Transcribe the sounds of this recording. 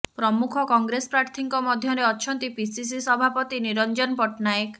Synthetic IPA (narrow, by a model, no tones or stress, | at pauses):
pɾɔmukʰɔkɔŋɡɾespɾaɾt̪ʰiŋkɔmɔd̪ʱjɔɾeɔt͡ʃʰɔnt̪ipisis̬isɔbʱapɔt̪iniɾɔnd͡ʒɔnpɔʈnajek